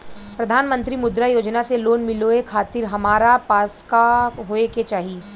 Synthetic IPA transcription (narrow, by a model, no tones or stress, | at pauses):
pɾɐd̪ʱaːnmə̃nt̪ɾimʊd̪ɾajoːd͡ʒnaseloːnmɪloekʰaːt̪ɪɾɦɐmaːɾapaːskaɦoːeket͡ʃaːɦi